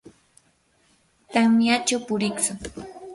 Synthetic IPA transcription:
t̪amjat͡ʃawpʊɾɪksʊŋ

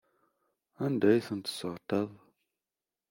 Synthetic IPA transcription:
andəjsəntə̥sɔtav

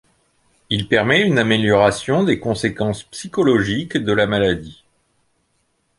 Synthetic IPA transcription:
ilpɛʁmɛynameljɔʁasjɔ̃d̪ekɔ̃sekɑ̃spsikɔlɔʒikd̪əlamalad̪i

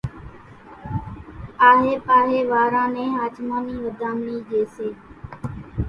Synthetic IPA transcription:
aːɦeːpaːɾeːʋaːɾãːnẽːɦaːt͡ʃmãːniːʋəd̪ʱãːmniːd͡ʒeːseː

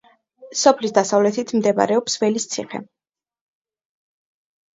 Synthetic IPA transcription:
sɔpʰlisd̪asavlɛt̪ʰit̪ʰmd̪ɛba̰ɾɛɔpsvɛlist̪sʰiχɛ̰

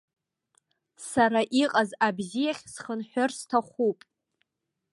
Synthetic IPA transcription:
saɾaʔiqʼazabzijaχʲsχənħʷᶣʊrstʰaχʷupʼ

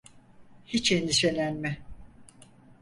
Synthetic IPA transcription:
hit͡ʃend̪iʃelʲænmɪ

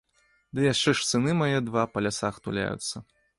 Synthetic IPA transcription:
d̪ɨjaʂt͡ʂɛʂt̪sɨnɨmajɛd̪vapɐlʲasaxt̪ṵlʲa̰jṵt̪sːɐ

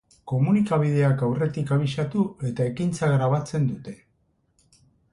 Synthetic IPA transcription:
ko̞munikaβið̞e̞akawre̞t̪ikaβ̞iʃat̪ue̞t̪ae̞kint͡saɣɾaβ̞at͡se̞nd̪ut̪e̞

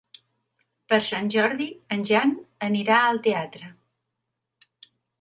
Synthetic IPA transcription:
pəɾsanʲʒɔɾðiənʲʒanəniɾaəlˠt̪eat̪ɾə

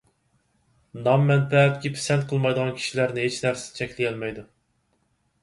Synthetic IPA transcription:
nɑmːɛnpʰɛt̪̚kʲipʰɪ̥sɛn̚qʰəlˠmɑjd̪əʁɑnkʲʰi̥ʃilæɾnɪɦet͡ʃnæɾsɪ̥t͡ʃʰɛkʲlɪjɛlmɛjd̪u

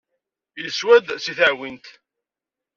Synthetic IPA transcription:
jəswæd̪siθʕwint̪

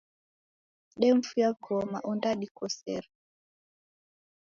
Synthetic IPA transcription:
ɗɛm̩fujaɡɔma̰ʔundaɗikɔsɛɾ

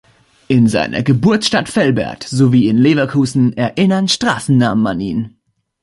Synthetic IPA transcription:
ʔɪnza̰ɪnʔɐ̰ɡəbʊɐt͡sʃtatfɛlbɛ̰ɐtz̥oviːɪnleːvakʰuːzn̩ɛɐʔɪnɐnʃtʁ̥aːsn̩naːmmanḭːn

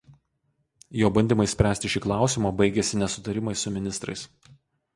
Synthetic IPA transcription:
joːbɐnʲd̪ʲɪmɐɪsʲpʲɾʲæːsʲt̪ʲɪʃʲiːklˠɑˑʊsʲɪmoːbɐɪɡʲɛsʲɪnʲɛsʊt̪ɐɾʲɪmɐɪsʊmʲɪnʲɪst̪ɾɐ̰ɪs

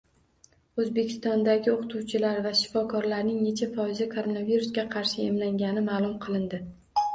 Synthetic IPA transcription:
ɵzbe̞kʲʰɪ̥st̪ɒnd̪aɡʲɪoqʰɨ̥t̪ʰuwt͡ʃʰɪlaɾvaʃɪ̥fɒkʰɒɾlaɾnɪŋne̞t͡ʃʰafɒɪzakʰoɾo̞naviɾusɡʲaqʰɑɾʃɪemlaŋɡʲanɪmaːlˠʊmqʰɨlˠɪnd̪ɪ

